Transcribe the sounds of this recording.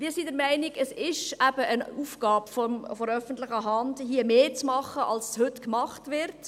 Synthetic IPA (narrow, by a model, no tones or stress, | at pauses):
ʋiːɾsidəɾmæɪnɪɡəsɪʃæbəʔənuːfɡ̥ɑːpfɔmfɔɾœfəntlɪχəɦɑndhiəmeːt͡smɑχəʔɑlsshʏtkmɑχtʋɪɾt